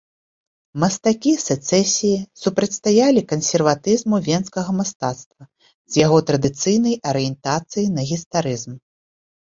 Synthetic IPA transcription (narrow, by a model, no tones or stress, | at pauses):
mɐst̪akʲisɛt̪sɛsʲijisupɾɐt̪ʲst̪ajalʲikɐnsʲɛrvat̪ɨzmuvʲɛnskɐɣɐmast̪at̪st̪vɐ | z̥ʲjaɣɔt̪ɾɐd̪ɨt̪sɨjnɐjɐɾɨjɛnt̪at̪sɨjinɐɣʲist̪aɾɨzm